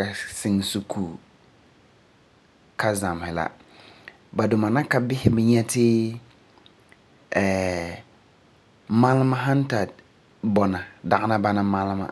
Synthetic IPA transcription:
ka˨sɪ˦ŋsu˨kʰuː˨ | ka˦za˨m˨hɪ˨la̰˦ | ba˨dʊ˨ma˨na˦ka˨bɪ˦hɪ˦bɪ˨ɲɛ˦tɪ˦ | ɛː˨ | ma˦lma˦ɦa˦n˦ta˨d | bɔ˨na˨da˨ʔɪ˦na˦ba˦na˦ma˦lma̰˦

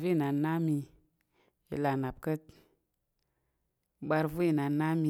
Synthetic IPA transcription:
vi˦i˦˨na˨na˦mi˧ | jḭ˨la˨na˨b̚kə˦t̚ | ɓa˧ɾvu˦i˨na˨na˦mi˨

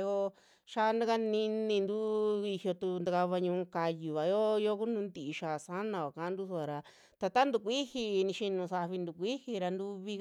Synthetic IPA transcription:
jo˦ | ʃa˧nd̪a˦ka˦nĩ˧nĩ˧nd̪u˦i˧hjo˧t̪u˧nd̪a˧ka˧βa˧ɲũ˧ka˧ju˨βa˨jo˦jo˦ku˦nũ˧˦nd̪i˨˧ʃa˨sa˦nã˧ka˨kã˧˨˦nd̪u˦su˧a˨ɾa˧ | t̪a˧t̪a˦nd̪u˧kʷi˦hi˧nĩ˧ʃi˧nũ˧sa˧βi˧nd̪u˨kʷi˦hi˧ɾa˧nd̪u˧βi˧

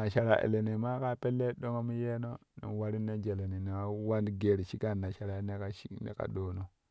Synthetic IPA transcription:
na˨ʃa˨ɾa˨ʔḛ˨le˨ne˨ma˦ka˦pe˦lːe˦ɗo˦ŋo˦m˦je˦no˦nḭ˨wa˦ɾi˦nːe˦d͡ʒe˨le˨ni˨n˨a˦wa˦ndɡe˨ɾʃi˦ka˦˨nːa˨ʃa˨ɾa˨e˦ne˦ka˦ʃi˦knḛ˦ka̰˨ɗo˨no˨

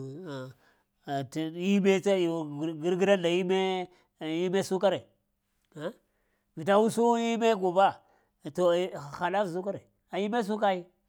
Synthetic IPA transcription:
i˦me˦a˦˨ɡi˦ɾɡi˦ɾa˦na˨ji˦me˦˨ | ji˦me˦su˦ka˦ɾe˨ | a˦ | vi˨t̬a˦wu˦su˦i˦me˦ɡu˨ba˦˨ | to˨xa˨la˦fs̬u˦ka˦ɾe˨ | a˨ji˦me˦s̬u˦k̬a˦ji˦

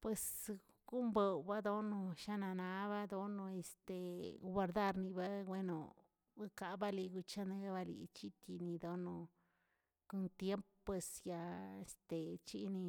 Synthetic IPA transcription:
pwe˧s | ɡ̥u˦mbe˨wba˦d̪o˦no˧ʃa˦na˧na˧˦βa˦d̪o˦no˧e˧st̪e˨˧wa˧ɾd̪a˦˧ɾni˧ba˦ɡwe˦no̰˨ | a˦ka˨ba˦li˧ɡu˧t͡ʃa˦ne˧˦ba˧lḭ˨t͡ʃi˦t̪i˧ni˧d̪o˦no˧ | ko˧nt̪je˦mppːwe˧sja˧e˧st̪e˨t͡ʃḭ˦ni˧

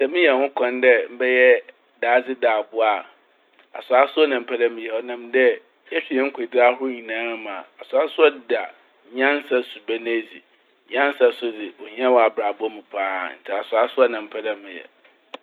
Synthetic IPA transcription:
sɛ˨mĩ˦jɛ˨hʊ̃˦kʰã˨ndɛ˦m̩˦bɛ˦jɛ˦ | daː˨˦d͡zɪ˦daː˨bʊ˦a˨ | a̰˨sʊ˨a˦sʊ˦ɔ˦nã˨m̩˨pʰɛ˦da˦mɪ̃˨jɛ˨ɔ˦nã˨mdɛ˦ | ɛ˦ɕᶣi˨jɛ̃˦ŋ̩˦kʰʊ˨dɪ˦ɾa˦hʊ˦ʊ˦ɲĩ˨nãː˨˦mã̰˨a˨sʊ˨a˦sʊ˦ɔ˦da˨ | ɲã˦n˦sa˦su˨bɛ˦nã˦d͡zi˨ | ɲã˦n˦sa˦sʊ˦dɪ˨wɔ˨ɲ˦ã˦wɔ˨a˨bɾa˨bʊ˦ɔ˦mɪ̃˨pʰaː˦n̩˨tʰɛ˨a˨sʊ˨a˦sʊ˦ɔ˦nã˨m̩˨pʰɛ˦dã˦mɪ̃˨jɛ̰˨

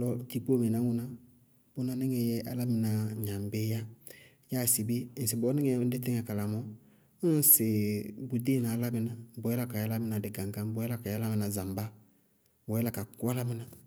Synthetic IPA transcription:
lɔ˦ti˨po˦me˨na˨˦ŋu˦na˦ | b̥o˦na˦nɛ˦ŋɛ˨jɛ˦ʔa˨la˦mi˨na˨ɲã˨mbe˦ja˦ | ja˦˨si˨bi˦˨n̩˨si˨bɔ˨˦nɛ˦ŋɛ˦n̩˦de˦tɛ˦ŋɛ˨ka˨la˨mɔ˦ | se˨bu˨de˦na˨˦la˦mɪ˦na˨˦bɔ˨jɛ˦la˦ka˨ja˦la˦mi˦na˨dɪ˨ɡa˨ŋɡa˦m˦bɔ˨˦jɛ˦la˦˨ka˨ja˦la˦mɪ˨na˨za˨mba˦ | bɔ˨jɛ˦la˨ka˨ku˦a˦la˦mɪ˦na˦

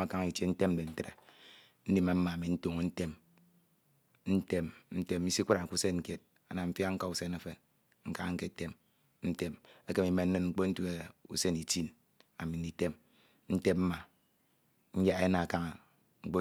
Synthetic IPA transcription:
a˦ka˦ŋ˨i˨te˦n̩˦te˦m̩˦be˨n̩˦te˦ɾḛ˨ | n̩˦di˦ma˨m̩˦ma˨mi˨n̩˦tu˨ŋ˨˦n̩˦te˦m | n̩˦te˦mn̩˦te˦m˦i˦si˦kʷu˦ɾa˨ku˦se˦nŋ̩˨ke˦t̚ | a˨na˨m̩˦fja˦ŋ̩˦ka˦u˨se˦ne˦fe˨n | ŋ̩˦ka˦a˦ŋ̩˦ke˦˨te˦m | n̩˦te˦me˦ke˦mi˨˦me˨n̩˦nɨ˦nŋ͡m̩˦k͡po˦n̩˦tu˦e˨ṵ˨se˦ni˨ti˦n | a˨mi˨ni˨te˦m | n̩˦te˦p̚m̩˦ma˨ | ɲ̩˦ja˦e˦na˨a˨ka˦ŋa˨ | ŋ̩˦k͡po˦

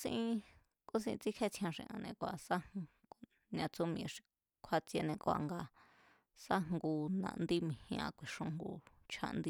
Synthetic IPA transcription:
sḭ̃˧˦ʔĩ˧ | ku˦s̬ḭ̃˧i˧t͡si˦kʰe˦t͡sʰj̃ã˧ʂḭ̃˧ʔã̰˧nẽ˧kʷa˨sa˦ŋ | ɡ̥ | nã˧t͡so˦mĩ˧˨ʂi̥˨˧ | kʰwa˧t͡sje˧nẽ˧kwa̰˨ŋɡa˧ | sa˦ŋŋɡu˧nã̰˧˨nd̪i˦mĩ˨hĩ˧ã̰˧kʷi˨ʂõ˧ŋŋɡu˧ | t͡ʃʰa̰˧nd̪i˦

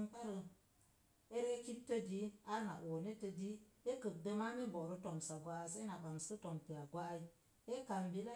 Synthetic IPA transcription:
ŋka˦ɾə˧ | e˦ɾe˦ki˦p̚tə˦di˦a˦na̰˨ʔo˨ne˦tə˧di˦e˦kə˨k̚də˧ma˦me˦bo˨ɾə˦to˨msa˨ɡʷa˦˨sa˦na˨ɓa˨ŋsə˦to˨mpi˨a˨ɡʷa˦ʔi˦ | e˦ka˨mbi˨˦la˦

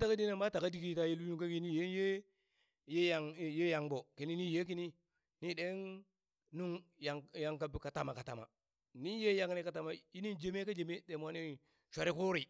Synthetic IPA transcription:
ta˦ka˦di˦na˦˨ba˦ta˨ka˦di˦ki˦ta˨˦je˦lu˦u˦ŋ˦ka˦ki˦ni˦je˦je˦ | je˦ja˨ŋ˨je˦ja˨ŋbo˨ki˨ni˦ni˦je˦k̬i˦ni˦ | ni˦de˦n | nu˦ŋja˨ŋja˨ŋka˨bka˨ta˨ma˨ka˨ta̰˨ma̰˨ | ni˦je˦ja˨˦ŋni˨ka˨ta˨ma˨ji˦ni˦nd͡ʒe˦me˦ka˦d͡ʒe˨me˦de˨mwa˦ni˦ | ʃʷa˨ɾi˦ku˦ɾi˨

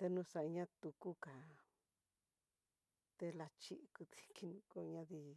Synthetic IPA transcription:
t̪e˧nũ˧sa˧ɲã˦t̪u˧ku˦ka˨ | t̪e˧la˧t͡ʃi˦ʔku˧t̪i̥˧ki˧nũ˧ko˧ɲã˧ði˧

